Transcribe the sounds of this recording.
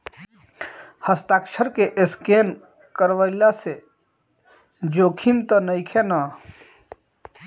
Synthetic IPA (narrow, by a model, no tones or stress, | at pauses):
həst̪akt͡ʃʰəɾkeʔɪsken | kəɾʋəɪlase | d͡ʒokʰimt̪ənəjkʰena